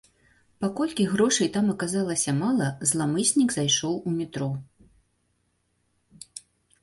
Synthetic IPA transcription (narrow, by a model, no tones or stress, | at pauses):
pakɔlʲkʲiɣɾɔʂɐjt̪amɐkazalˠɐsʲɐmalˠɐzlˠamɨsʲnʲiɡzajʂɔwumʲit̪ɾɔ